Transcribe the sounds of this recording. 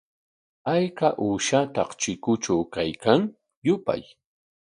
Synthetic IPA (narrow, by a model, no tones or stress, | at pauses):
ajkaʔuːʃat̪ɑqt͡ʃɪkʊt͡ʃawkajkaŋ | jʊpa̰j